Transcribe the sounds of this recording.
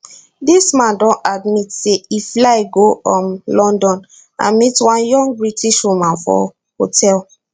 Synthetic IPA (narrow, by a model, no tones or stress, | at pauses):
dismãndɔ̃nadmitseiflaɪɡoɔ̃mlɔ̃ndɔ̃n | ã̰nmitwãnjɔ̃ŋɡ̚bɹitiʃɹũmãnfɔ̰ | hotʰɛl